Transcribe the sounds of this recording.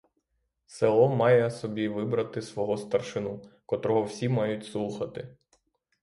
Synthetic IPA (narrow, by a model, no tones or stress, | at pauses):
selˠɔmɑjɛɐsɔbʲiʋɪbɾɐt̪ɪsʋɔɦɔst̪ɐrʃɪnukɔt̪ɾɔɦɔwsʲimɑjʊtʲslˠuxɐt̪ɪ